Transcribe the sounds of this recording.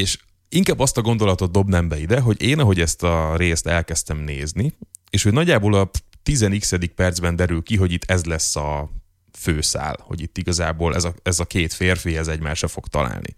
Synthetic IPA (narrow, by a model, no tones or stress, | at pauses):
eːʃ | iŋkaːbːɒst̪ɒɡo̞nd̪o̞lɒt̪o̞d̪d̪o̞bnɛmbɛid̪ɛɦo̞ɟeːnɒɦo̞ɟɛst̪ɒɾeːst̪ɛlkɛst̪ɛmneːznieːʃho̞ɟnɒɟːaːboːlɒt̪izɛniksɛd̪ik̚pɛrd̪zbɛnd̪ɛɾylkiɦo̞ɟit̪ʰːɛzlɛsːɒ | føːsa̰ːlho̞̰ɟit̪ːiɡɒzaːboːlɛ̰zɒɛzɒkeːt̪feːrfihɛzɛɟma̰ːʃrɒfo̞kt̪ɒ̰la̰ːlnḭ